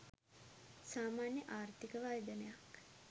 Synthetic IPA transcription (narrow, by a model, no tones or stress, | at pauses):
saːmaːnjəʔaːrt̪ikəʋajd̪ənəjak